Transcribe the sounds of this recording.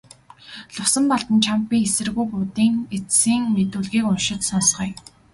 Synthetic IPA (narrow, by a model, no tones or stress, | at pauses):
ɮʊwsə̆mpɔɮt̪ə̆nt͡ɕʰampːiːesɘ̆rɣujpʊːt̪iːŋet͡ssiːŋmet̪uːɮɣiːkʊnʃɪ̆t̪sɔnsχœːj